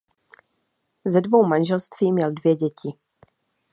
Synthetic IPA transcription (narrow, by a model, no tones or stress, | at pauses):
zɛdvo̞wmanʒɛlst̪v̥iːmɲɛldvjɛɟɛcɪ